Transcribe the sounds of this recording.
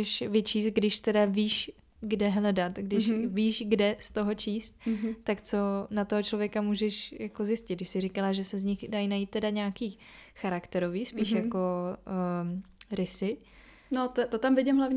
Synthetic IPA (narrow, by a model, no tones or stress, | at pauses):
ɛʃvɪt͡ʃiːst̪̚ɡdɪʃt̪ɛdaviːʃ | ɡdɛɦlɛdat̪ɡdɪʃviːʃɡdɛst̪o̞ɦo̞t͡ʃiːst̪̚ːakt͡so̞nat̪oɦot͡ʃlovjɛkamuːʒɛʃjako̞zjɪscɪt̪d̚dɪʃsɪrɪkalaʒɛsɛzɲɪxdajnajiːt̪̚ːɛdaɲaːkiː | xaɾakt̪ɛɾo̞viːsppiːʃjako̞ | ɾɪsɪ | not̪t̪ot̪amvɪɟɪmɦlavɲ